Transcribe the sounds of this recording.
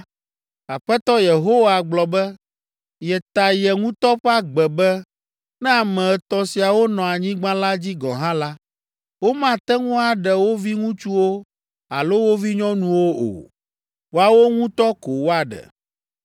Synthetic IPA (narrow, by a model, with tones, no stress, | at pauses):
a˨ɸɛ˦t̪ɔ˦je˨ɦo˦wa˨ɡ͡blɔ˨bɛ˦ | jɛ˨t̪a˨jɛ˨ŋũ˦t̪ɔ˦ɸɛ˦a˦ɡ͡bɛ˨bɛ˦ | nɛ̃˦a˨mɛ̃˨t̪ɔ˨si˨a˨wo˦nɔ̃˨a˨ɲĩ˦ɡ͡bã˦la˦d͡ʑi˦ɡɔ̰̃˨ɦã˦la˦ | wo˦mã˦t̪ɛ˦ŋũ˦a˨ɖɛ˨wo˦vi˦ŋũ˦t͡ʃu˦wo˦ | a̰˨lo˦wo˦vi˦ɲɔ̃˦nũ˦wo˦o̰˨ | wo˦a˨wo˦ŋũ˦t̪ɔ˦ko˨wo˦a˨ɖɛ̰˨